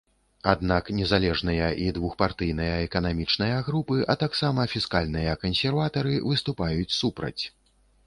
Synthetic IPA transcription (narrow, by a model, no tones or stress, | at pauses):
ad̪naknʲɛzalʲɛʐnɨjɐʔid̪vuxpart̪ɨjn̪ɐjɐɛkɐnamʲit͡ʂnɐjɐɣɾupɨʔɐt̪aksamɐfʲiskalʲn̪ɨjɐkɐnsʲɛrvat̪ɐɾɨvɨst̪upajut͡sʲsupɾɐ̰t͡sʲ